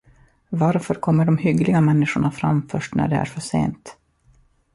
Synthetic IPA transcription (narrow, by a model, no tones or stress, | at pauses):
vaɾfœɾkʰɔmːəɖɔmhʏɡlɪɡamɛnːɪʂʊɳafɾa̰mfœʂʈnæ̰ɖɛ̰æ̰ɾfœʂḛːnt̪